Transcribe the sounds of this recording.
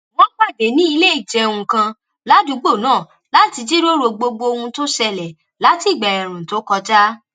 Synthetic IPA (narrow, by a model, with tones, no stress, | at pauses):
wɔ̃˦k͡pa˦˨de˨˦nĩ˦i˧le˦i˨d͡ʒɛ˧˦˧ũ˧kã˧ | la˦du˨˦ɡ͡bo˦˨nãː˦˨ | la˨˦ti˧d͡ʒi˦ɾo˦ɾo˧ɡ͡bo˧ɡ͡bo˧o˧hũ˧to˦ʃɛ˧lɛ˨ | la˨˦ti˦˨˦ɡ͡ba˨ɛ˨ɾ̃ũ˨to˨˦kɔ˧d͡ʒa˦